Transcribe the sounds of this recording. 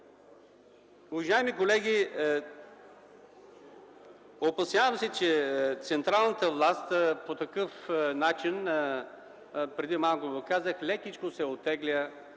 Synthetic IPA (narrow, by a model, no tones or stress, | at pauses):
ʊvɐʒaɛmikolɛɡʲi | opɐsjʲavəmsɛt͡ʃɛt̪sɛnt̪ɾalˠnət̪əvlˠast̪pot̪ɐkɤfnat͡ʃin | pɾɛd̪imalˠkoɡokazəxlʲɛkʲit͡ʃkosɛot̪ːɛɡlʲə